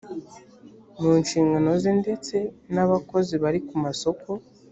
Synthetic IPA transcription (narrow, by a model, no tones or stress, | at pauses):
muːnʃiːŋɡano̞ziːnde̞t͡se̞naβako̞ziβaɾikumaso̞kʰo̞